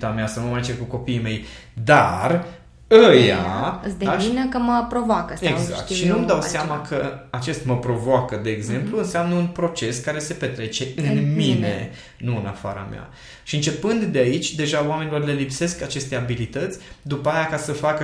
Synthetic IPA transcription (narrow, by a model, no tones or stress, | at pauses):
t̪ameasanumaet͡ʃekuko̞piːme̞jd̪ar | əja̰d̪d̪aʃinəkəməpɾovoakəseza̰k̚t̪ʃinumd̪awseamakʰəat͡ʃe̞st̪məpɾo̞voakəd̪e̞ːɡze̞mpluɨnseamnəunpɾo̞t͡ʃe̞skaɾe̞se̞pe̞t̪ɾe̞t͡ʃe̞ɨnmine̞ | nuɨnafa̰ɾa̰mja̰ | ʃiɨnt͡ʃe̞pɨnd̪d̪eait͡ʃʲd̪e̞ʒaoame̞nilo̞rle̞lipse̞skat͡ʃe̞st̪e̞abilit̪ət̪sʲd̪upəajakasəfakə